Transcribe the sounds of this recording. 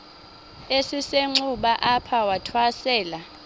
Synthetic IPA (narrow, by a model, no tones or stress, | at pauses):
esiseŋ͡ǀuɓaʔapʰawatʰwasɛːla